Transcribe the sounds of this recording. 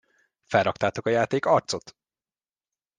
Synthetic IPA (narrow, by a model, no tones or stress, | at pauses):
fɛlrɒkt̪aːt̪o̞kɒjaːt̪eːkɒrt̪so̞t̪